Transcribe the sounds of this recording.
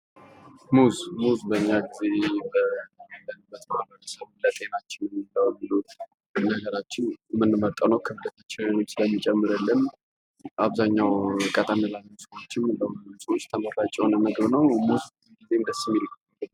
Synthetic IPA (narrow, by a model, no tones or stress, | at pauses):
muzmuzbəɨɲːaɡizebələnbət̪ʼmaləjəsəmɨlət̪ʼʰenat͡ʃːɪnɛmːilːəwbɨlu | mɨnːaɡəɾat͡ʃːɛwmɨnːɨmət̪ʼːawnəwkʰəbɨd̪ət̪ʰat͡ʃːɛwenot͡ʃːsɨləmːɨt͡ʃʼɛmːɨɾəlːɨn | ʔaβzaɲːawkʼət̪ʼənəlanːəwsewot͡ʃːɪnbəsəwot͡ʃːt̪ʰəməɾlat͡ʃʼːɛnəməɡβnəwmuz | ɡizend̪əsimilɨkː | l